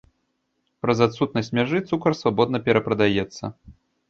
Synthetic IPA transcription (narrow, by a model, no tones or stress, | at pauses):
pɾɐzat̪sut̪nɐsʲtʲmʲaʐɨt̪sukɐrsvabɔd̪nɐpʲɛɾɐpɾɐd̪ajɛt̪sːɐ̰